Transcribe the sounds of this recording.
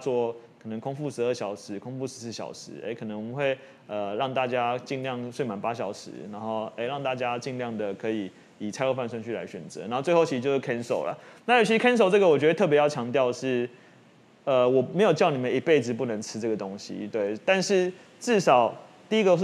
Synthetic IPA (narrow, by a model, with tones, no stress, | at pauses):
t͡swɔ˥˩kʰɤ˨˩nə˧˦ŋkʰʊ˥ŋfu˥˩ʂɻ̩˧˥ə˥˩ɕjɑ˨˩ʊʂɻ̩˧˦kʰʊ˥ŋfu˥˩ʂɻ̩˧˥s̩˥˩ɕjɑ̰˨˩ʊʂɻ̩˧˦ʔḛ˥˩ɪkʰɤ˨˩nə˧˦ŋwɔ˨mə˦nxwe˥˧ɪ | ə˨˩ɻɑ˥˧ŋt̪a˥˧t͡ɕja˥t͡ɕi˥˧ŋljɑ˥˩ŋswe˥˩ɪma˨˩npa˦˥ɕ̬jɑ˨˩ʊʂɻ̩̰˧˦na˧˥nxo˥˩ʊe˥ɪɻɑ˥˧ŋt̪a˥˧t͡ɕja˥t͡ɕi˥˧nljɑ˥˩ŋd̪ə˩kʰɤ˧˥i˨˩ | i˨˩t͡sʰa˥ɪlo˥˧ʊfa˥˧nswə˥nt͡ɕʰy˥˨a̰˧ɪɕɥɛ˨˩nt͡sɤ̰˧˦n˨˧˥xo˥˧t͡swe˥˧o˥˩ʊi˧˥ʂ̩˧t͡ɕjo˥˧ʊʂ̩˥˧kʰɛ˥nso˨˩ʊlə̰˨˩na˥˩jʊt͡ɕʰi˧ʂɻ̩˥kʰɛ˥ns̬o˨˩ʊʈ͡ʂɤ˥ɡə˩wɔ˨˩t͡ɕɥ̪ə˧t̪ʰɤ˥˧p̬jjɑ˥˩ʊt͡ɕʰjɑ˧˥ŋt̪jɑ˥˧ʊʂɻ̩˥˩ | ə˨wɔ˨˩me˧˥ɪjo˨˩t͡ɕjɑ˥˩ʊni˨˩mə˨˦ni˨pe˥˩ɪd͡z̩˨pu˥˩nə˧˦˥ŋt͡sʰɻ̩˥ʈ͡ʂɤ˥˩ɡə˩t̪o˥ŋɕḭ˧t̪we˥˩ɪt̪a˥˧nʂɻ̩˥˧ | ʈ͡ʂɻ̩˥˩ʂɑ˨˩ʊ | t̪i˥˧i˥ɡə˧˥˩